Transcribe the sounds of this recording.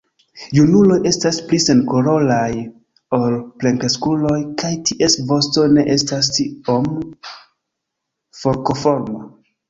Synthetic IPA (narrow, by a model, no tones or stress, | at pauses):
junulo̞je̞stasplise̞nkoɾo̞laj | olple̞ŋkeskulo̞jkajtiʔe̞svo̞sto̞ne̞ʔe̞stas̬tiom | fo̞ɾko̞fo̞ɾmo